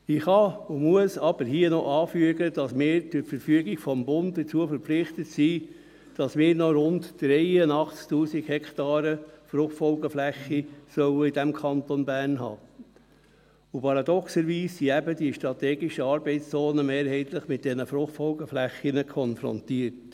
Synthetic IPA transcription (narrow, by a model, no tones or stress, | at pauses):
ɪχɑʊmuəsɑb̥əɾɦiənɔʔɑːfyəɡəd̥ɑsmɪːɾdʊfəɾfyəɡiɡ̥fɔmbʊntdət͡suəfəɾpflɪχt̪ətsiː | d̥ɑsmɪːɾnɔɾʊntd̥ɾɛɪənɑχt͡sktuːsiɡhɛktɑːɾəfɾʊχtfɔlɡəflæχːisœʊəidæmkʰɑnt̪onbæːrnɦɑ̰ː | ʊpʰɑɾɑd̪ɔksəɾʋiːsːiæbəd̥iəʃtɾɑt̪ɛːɡiʃəɑːɾbɛɪtst͡sɔːnəmeːɾhɛɪtləχmɪt̚d̥ɛnəfɾʊχtfɔlɡəflæχinəkʰɔnfɾɔ̰ntiəɾt